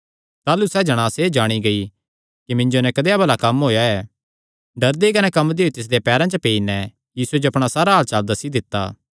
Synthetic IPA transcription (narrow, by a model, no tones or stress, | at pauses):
t̪aːlusɛːd͡ʒɐɽ̃aːseːd͡ʒaːɽ̃iɡɐi | kimɪ̃ɲd͡ʒonɛkɐd̪eːabɐlakɐmɦoːjaɛː | ɖɐɾd̪ekɐnɛkɐmːd̪eot̪ɪs̬d̪epɛːɾãt͡ʃəpeːinɛ | jiːsued͡ʒoɐpɽ̃asaːɾaɦaːlt͡ʃaːld̪ɐsːid̪ɪt̪ːa̰ː